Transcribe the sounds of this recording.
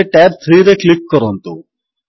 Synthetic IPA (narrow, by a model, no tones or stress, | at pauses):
eʈɛːp̚t̪ʰɾiːɾeklikːɐɾont̪u